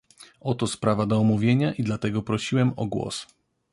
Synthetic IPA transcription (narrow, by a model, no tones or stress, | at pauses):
ɔt̪ɔspɾavad̪ɔːmuvʲjeɲaʔid̪lat̪ɛɡɔpɾɔɕiwɛmɔɡwɔ̰s